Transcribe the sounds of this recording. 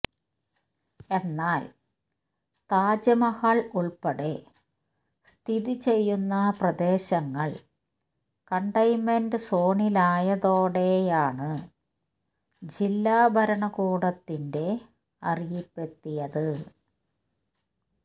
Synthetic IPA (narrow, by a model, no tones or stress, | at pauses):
e̞nːaːl | t̪aːd͡ʑɐmɐhaɭuɭpɐɽe | st̪ʰiðit͡ɕe̞jːunːɐprɐd̪e̞ːɕɐŋːɐɭ | kɐɳɖɐjmendɨso̞ːɳilaːjɐðo̞ːɽe̞jaːɳɨ | d͡ʑilːaːbʱɐɾɐɳɐkuːɽɐt̪ːinde̞ | ɐ̰rijipːe̞t̪ːijɐðɨ